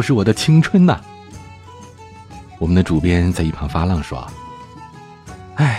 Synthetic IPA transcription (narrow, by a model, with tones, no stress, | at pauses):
ʊʂɻ̩˥˩wɔ˨˩d̪ə˦t͡ɕʰi˥ŋʈ͡ʂʰwə˥nnɐ̰˨ | wɔ˨˩mə˦nd̪ə˧ʈ͡ʂu˨˩pjɛ˥nt͡sa˥˧ɪi˥˩pʰɑ˧˥ŋfa˥lɑ˥˩ŋʂwɔ̰˥ | a˥˩ɪ